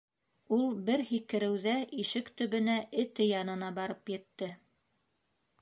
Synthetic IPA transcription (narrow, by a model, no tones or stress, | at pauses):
ulˠbɘɾhikɘ̆ɾɘ̆wðæʔiʃɘkt̪ɵ̆βɵ̆næʔɘ̆t̪ɘjɑnɤ̆nɑbɑɾɤpjɘ̆t̪ːɘ